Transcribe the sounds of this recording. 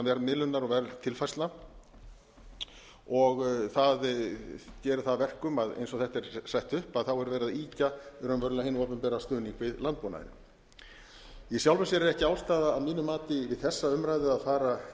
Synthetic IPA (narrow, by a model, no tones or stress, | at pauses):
vɛɾðmɪlʏnːaɾɔɣvɛɾðt̪ʰɪlfajst̪la | ɔɣθað | cɛːɾʏ̥θaðvɛr̥kʏmaðḛjnsɔθɛht̪ɛɾ̥sajht̪ʏhpaðθawɛɾvɛːɾɪðaiːcaɛɾanvœɾʏahenːɔːpʏmpɛːɾast̪œːniŋkvɪðlant̪̚pɔːna̰ð̰nɪ̰ | isjawlvɛsɛɾɪɾɛhcɪaːwlst̪aːðaːðmiːnʏmːaːt̪ɪvɪðθɛsːaʏmɾajðʏaðfaːɾa